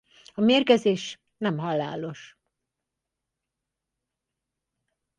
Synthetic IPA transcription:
ɒmeːrkɛzeːʃ | nɛmɦɒla̰ːlo̞ʃ

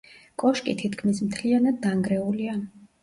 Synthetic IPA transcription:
kʼɔʃkʼit̪ʰit̪kʰmismt̪ʰlianad̪ːaŋɡɾɛulia

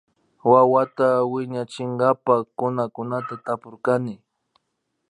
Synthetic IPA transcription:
wawat̪awɪɲat͡ʃɪŋɡapakʊnakʊnat̪at̪apʊɾkanɪ

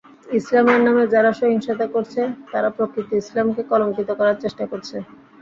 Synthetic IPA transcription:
islameɾnamed͡ʑaɾaʃoɦiŋʃad̪akoɾt͡ɕʰet̪aɾapɾokɾit̪iislamkekɔloŋkit̪okɔɾaɾt͡ɕeʃʈakoɾt͡ɕʰe

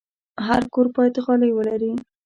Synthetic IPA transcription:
ɦaɾkoɾpɑjt̪axɑlajwəlaɾi

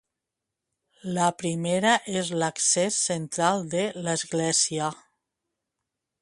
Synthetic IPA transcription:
lapɾimeɾaʔezlaksesːent̪ɾalˠd̪eləzɣlɛzia

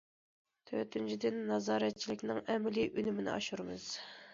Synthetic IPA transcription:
t̪ʰøt̪ʰynt͡ʃʰid̪ɪnːɑzɑːɾɛt̪̚t͡ʃʰilɪkʲnɪŋɛmliʔynymɪnɪ̰ɑ̰ʃuɾɨmɨ̰z̥

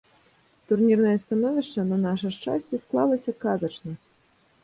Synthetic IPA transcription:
t̪urnʲirnɐjɐst̪anɔvʲiʂt͡ʂɐnɐnaʂɐʂt͡ʂa̰sʲt͡sʲisklˠalˠɐsʲɐkazɐt͡ʂnɐ

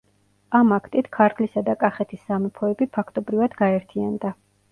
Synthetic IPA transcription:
amakʰt̪ʼit̪ʰkʰaɾt̪ʰlisad̪akʼaχɛt̪ʰisːamɛpʰɔɛbipʰakʰt̪ʼɔbɾivad̪ɡaɛɾt̪ʰia̰nd̪a

